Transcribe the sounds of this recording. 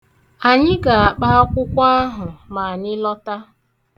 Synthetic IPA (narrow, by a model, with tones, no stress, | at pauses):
a˨ɲɪ˦ɡa˨a˨k͡pa˦ɔ˦kʷʊ˦kʷa˦a˦ɦʊ˨ma˨a˨nɪ˦lɔ˦ta˦